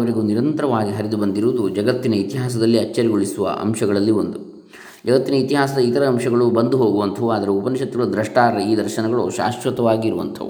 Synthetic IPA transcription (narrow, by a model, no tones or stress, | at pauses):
ʋɐɾiɡuːniɾɐnt̪ɐɾɐʋaːɡiɦɐɾid̪ubɐnd̪iɾuːd̪ud͡ʒɐɡɐt̪ːinɐit̪iɦaːsɐd̪ɐlːiɐt͡ʃːɐɾiɡoɭisuʋɐ̰ʔɐ̰mʃɐɡɐɭɐlːiond̪u | d͡ʒɐɡɐt̪ːinɐit̪iɦaːsɐd̪ɐit̪ɐɾɐːmʂɐɡɐɭubɐnd̪uɦoːɡuʋɐnt̪ʰɐʋuaːd̪ɐɾeupɐnɐʃɐt̪ːɾuud̪ɾɐʂʈaːɐiːd̪ɐɾʃɐnɐɡɐɭṵʃa̰ːsʋɐt̪ɐʋaːɡiːɾuʋɐ̰nt̪ʰɐ̰ʋṵ